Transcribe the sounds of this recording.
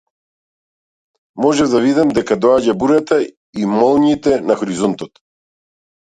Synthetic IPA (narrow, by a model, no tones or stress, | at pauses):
mɔʒɛvd̪avid̪amd̪ɛkad̪ɔaɟabuɾat̪a | imɔlˠɲit̪ɛnaxɔɾizɔnt̪ɔt̪